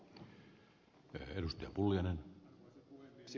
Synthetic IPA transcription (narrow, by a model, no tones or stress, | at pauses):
edust̪eɑpulːijɑnen